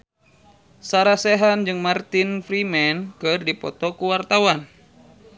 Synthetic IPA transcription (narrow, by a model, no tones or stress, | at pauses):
saɾasɛɦand͡ʒɨŋmart̪infɾimɛnkɨrdipɔ̰t̪ɔkuwart̪awan